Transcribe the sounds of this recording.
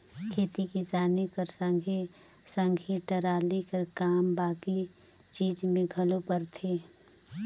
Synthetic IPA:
kʰeːt̪ikid͡ʒaːnekəɾsə̃ŋɡʱe | sə̃ŋɡʱiʈɐɾaːlikəɾkaːmbaːki | t͡ʃiːd͡ʒmẽɡʱɐlopəɾt̪ʰeː

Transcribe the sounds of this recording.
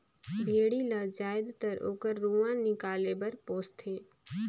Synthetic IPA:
bʱeːɽilaːd͡ʒaːɪd̪t̪əɾo̰ːkəɾːuːãnɪkaːlebəɾpoːst̪ʰeː

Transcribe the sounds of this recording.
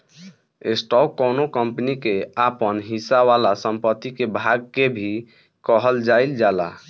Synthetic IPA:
esʈɔkːonokəmpnikeapənɦisaalasəmpət̪ːikebʱaɡ̚kebʱi | kəɦəld͡ʒaild͡ʒala̰

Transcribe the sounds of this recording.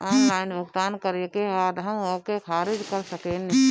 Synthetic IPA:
ɔːnlaːɪnbəɡt̪aːnkəɾekeɦaːd̪ɦɐ̃mokekʰaːɾɪd͡ʒkəɾsəkeːni

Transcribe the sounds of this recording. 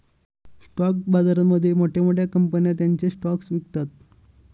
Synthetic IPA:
sʈɔk̚bad͡zaɾəməd̪ʱːjemoʈʰjamoʈjakəmpənjat̪̬jaɲt͡sesʈɔksʋikt̪at̪̚

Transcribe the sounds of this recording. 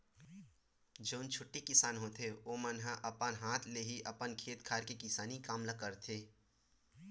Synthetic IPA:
d͡ʒoːnt͡ʃʰʊʈːekɪsaːnɦoːt̪ʰeoːmənɦaʔɐpənɦaːt̪ʰleɦiʔɐpənkʰeːt̪kʰaːɾkekɪsaːnikaːmlakəɾt̪ʰeː

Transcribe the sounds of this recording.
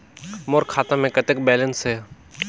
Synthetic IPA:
moːɾkʰaːt̪ãːmẽːkət̪ɪk̚beːlənseː

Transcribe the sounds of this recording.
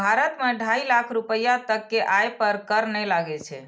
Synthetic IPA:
bʱaɾət̪meɖʱailakʰɾupəjat̪əkːeʔajpəɾkəɾnɛjlaɡɛt͡ʃʰɛ̰

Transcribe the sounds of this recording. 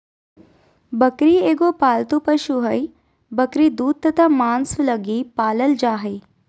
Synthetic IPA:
bəkɾieɡopaːlt̪upəʃuɦəj | bəkɾid̪uːd̪̚t̪ɐt̪ʰamaːnsuləɡiːpaːləld͡ʒaːɦəj

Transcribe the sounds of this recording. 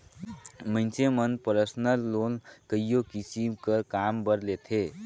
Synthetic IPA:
mənt͡ʃʰemənpəɾəsnəlːonkəijokisimkəkambəɾlet̪ʰe

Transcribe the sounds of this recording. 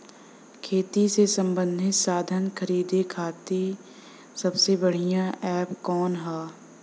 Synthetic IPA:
kʰeːt̪isesə̃mbə̃nd̪ʱɪt̪saːd̪ʱənkʰəɾiːd̪ekʰaːt̪e | sɐbsebəɽ̤ijãʔɛːpkɔːnɦɛː

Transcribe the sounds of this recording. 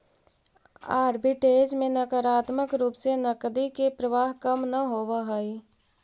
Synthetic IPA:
aːɾbɪʈeːd͡ʒmẽnɐkəɾaːt̪məkɾuːpsenɐkd̪ikepɾəʋaːɦkɐmnɐɦoːʋaɦɐiː

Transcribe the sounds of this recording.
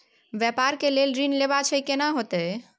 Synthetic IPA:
bjɛpaɾkelelɾinleβat͡ʃʰəikenaɦot̪ɛ

